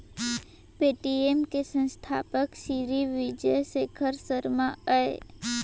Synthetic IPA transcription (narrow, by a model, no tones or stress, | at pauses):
peːʈiemkesə̃nst̪ʰa̰ːpəksiːɾiʋid͡ʒəsekʰəɾsəɾmaəe